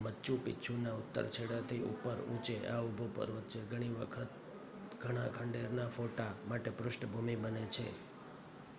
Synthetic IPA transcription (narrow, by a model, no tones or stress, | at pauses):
mətːt͡ʃupɪ̰t͡ʃʰunaʊt̪ːə̰ɾt͡ʃʰeɽat̪ʰiṵpəɾṵ̃t͡ʃeʔaubʱopə̰ɾʋət̪t͡ʃʰeɡʱəɽ̃iʋəkʰət̪̚ | ɡʱəɽ̃ãkʰəɳɖeɾnafoʈamaʈepɾʊʃʈəbʱumibənet͡ʃʰḛ